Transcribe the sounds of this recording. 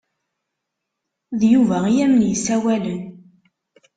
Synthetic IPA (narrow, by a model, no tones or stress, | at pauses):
ðjuvæijæmənjəsæwælən